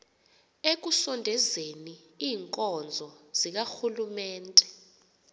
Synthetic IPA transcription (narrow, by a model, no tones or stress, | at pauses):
ek̬usɔndʱɛzeni | iːŋkʼɔnd͡zʱɔz̥ik̬axulumɛːntʼɛ̥